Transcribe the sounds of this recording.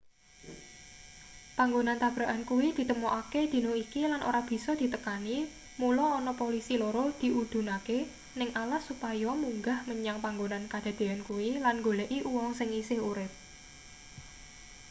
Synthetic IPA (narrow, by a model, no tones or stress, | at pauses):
paŋɡonant̪ab̥ɾaʔankuwid̪̥i̤t̪əmoʔaked̪̥i̤noikilanʔo̰ɾab̥i̤sɔd̪̥i̤t̪əkani | mulɔːnɔpolisiloɾod̪̥i̤ʔud̪̥ṳnake | nɪŋʔalahsupajɔmuŋɡahməɲaŋpaŋɡonankad̪̥a̤d̪̥e̤ankuwilanŋɡoleʔiʔuwɔŋsɪŋisɪhuɾɪp̚